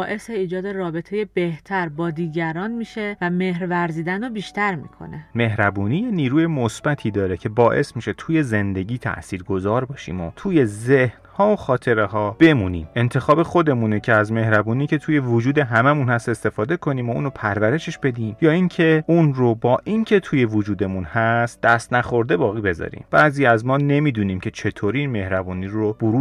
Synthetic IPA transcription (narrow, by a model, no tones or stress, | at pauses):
ɒːʔe̞seiːd͡ʒɒːd̪e̞rɒːbe̞t̪ʰe̞jebe̞ht̪ʰæɾbɒːd̪iːɟæɾɒːnmiːʃe̞væmehɾvæɾziːd̪ænobiːʃt̪æɾmḭːkʰo̞̰neme̞ɦɾæbuːniːjeniːɾuːje̞mosb̥æt̪ʰiːd̪ɒːɾecʰe̞bɒːʔe̞smiʃe̞t̪ʰuːje̞ze̞nd̪e̞ɟʲiːt̪ʰæ̰ʔsiːɾɡo̞zɒːɾbɒːʃḭːmo̰t̪ʰuːje̞zeh | hɒːoxɒːt̪ʰe̞ɾeɦɒːb̥e̞muːniːme̞nt̪ʰe̞xɒːbe̞xo̞d̪e̞munecʲʰeæzme̞hɾæbuːniːcʰe̞t̪ʰuːje̞vod͡ʒuːd̪e̞ɦæmæmunhæst̪e̞st̪e̞fɒːd̪e̞kʰo̞niːmoṵːnopʰæɾvæɾe̞ʃe̞ʃb̥e̞d̪iːmjɒːincʰe̞unrobɒːʔincʰe̞t̪ʰuːje̞vod͡ʒuːd̪e̞munhæst̪̚d̪̥æst̪næxo̞ɾd̪e̞bɒːɣiːbe̞zɒ̰ɾḭmb̥æziːæzmɒːne̞miːd̪uːniːmcʰe̞t͡ʃʰe̞t̪ʰoɾiiːnme̞hɾæbuːniɾob̥oɾuː